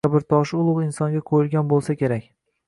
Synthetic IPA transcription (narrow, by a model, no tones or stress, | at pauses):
abɪɾt̪ʰɒʃʊlˠʊʁɪnsɒŋɡʲaqʰojɪlˠɡʲanbolˠsakʲʰe̞ɾakʲ